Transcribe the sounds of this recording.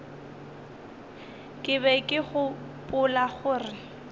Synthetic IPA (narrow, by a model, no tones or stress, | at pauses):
kʼɪbɛkʼɪχʊ | pʼʊlaχʊːrɪ